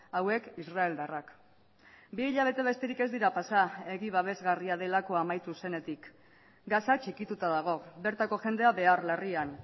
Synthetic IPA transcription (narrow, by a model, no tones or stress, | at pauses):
awe̞kisrae̞ld̪arak | biːʎaβ̞e̞t̪e̞β̞e̞st̪e̞ɾike̞zd̪iɾapasae̞ɣiβ̞aβ̞e̞zɣariað̞e̞lako̞amajt̪use̞ne̞t̪ik | ɡasat͡ʃikit̪ut̪aðaɣ̞o̞be̞ɾt̪ako̞ʝe̞nd̪e̞aβe̞arlarian